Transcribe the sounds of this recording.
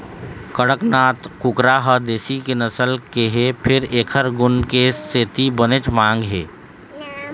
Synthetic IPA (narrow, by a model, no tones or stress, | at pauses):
kəɽəknaːt̪kʊkɾaɦəd̪eːsikenəsəlkeɦepʰɪɾeːkʰəɾɡʊnkeseːt̪ibənet͡ʃmãːŋɡɦeː